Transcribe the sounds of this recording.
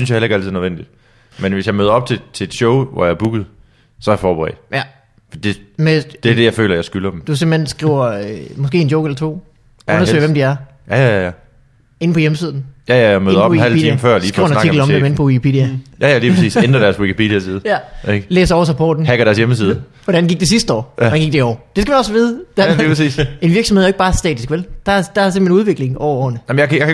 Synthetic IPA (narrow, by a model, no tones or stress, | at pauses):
yn̩sjɑhelɐeɡæl̰t͡sʰið̩ˠnəen̰d̥id̥ | menʋe̝sjɑ̈ɪmøːðˠɐɒ̽b̥̚t͡sʰe̝t͡sʰe̝d̥ɕɔʊʋɒ̰jɑ̈ɐb̥uɡ̥ð̞̩ˠ | sɒ̽æjɐfɒːb̥eʁɛ̰ːd̥ | fɒd̥id̥e̝med̥e̝æɐd̥e̝jɑ̈ɪfø̰ːlɐjɑ̈ɪsɡ̥ylɐd̥emd̥usemb̥l̩hensɡ̥ʁiʊɐmɒ̽sɡ̥e̝̰ːe̝nd̥joʊ̥elɐt͡sʰo̝̰ː | ɔnɐsø̰ɪʋemd̥iæɐ | jæjæjæjæ | e̝n̩pʰɒ̽jeməsiːð̞ˠn̩jæjæmø̰ðnˠɔihiælpːʰdiiməfɶɐ̰li̥ːṵʊɐnɑnɑt͡siɡl̩ɒ̽mdemen̩pʰɒ̽wikipʰed̥iæjæjæliːpʰʁɐsḭːsend̥ɐɾæɐswikʰipʰed̥iæsiːð̞̩ˠjæeɡ̥leːsɐɒʊɐs̬ɑ̈ɪpʰɔ̰d̥n̩hæɡ̥ɐɾ̥æɐsjeməs̬iːð̞ˠ | ʋɒd̥ænɡ̥iɡ̥̚d̥e̝sisd̥əɒ̰ːænɡiɡ̥̚d̥eiɒ̰ːd̥e̝sɡ̥æmænɒ̽sʋiːðˠd̥æliːpʰʁɐsḭːse̝nʋiɐɡ̥sɒmhðˠɐeɡ̥̚bɑ̈ːsd̥ɛ̰ːd̥ʰisɡ̥ʋeld̥ɑd̥ɑse̝m̥̩henuðˠʋe̝ɡ̥le̝ŋʔɒʊɐɒ̰ːnəɑm̩jkjak